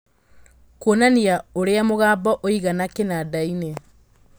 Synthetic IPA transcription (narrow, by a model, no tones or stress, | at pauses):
konaniaoɾeamoɣaːbɔʔoiɣanakenadaine